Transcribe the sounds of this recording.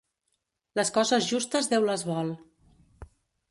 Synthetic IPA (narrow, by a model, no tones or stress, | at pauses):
ləskɔzəzʒust̪əzðewləzβɔlˠ